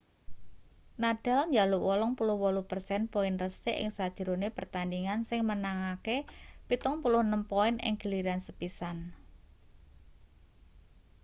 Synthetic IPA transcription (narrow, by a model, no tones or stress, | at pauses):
naɖ̥a̤lɲd͡ʒaluwɔlɔŋpulʊhwɔluhpərsɛnpɔɪnrəseʔɪ̰ŋsad̥ʒ̥ə̤ɾonepərt̪andiŋansɪŋmənaŋakepit̪ɔŋpulʊhnəmpɔɪnɪ̰ŋɡ̥əliɾansəpisan